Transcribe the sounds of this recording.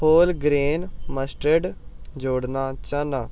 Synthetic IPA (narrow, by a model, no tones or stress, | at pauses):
oːlɡɾeːnməsʈɾeɖd͡ʒoːɽnaːt͡ʃənaː